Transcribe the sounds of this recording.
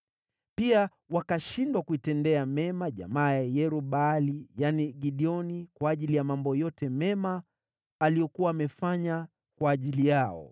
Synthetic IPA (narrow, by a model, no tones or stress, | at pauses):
pia | wakaʃindwakuitɛndɛamɛmaʄa̰maːjajɛɾuɓalijaniɡiɗiɔnikwaːʄilijamambɔjɔtɛmɛmaː | lijɔkuwaːmɛfaɲa | kwaːʄilijaɔ̰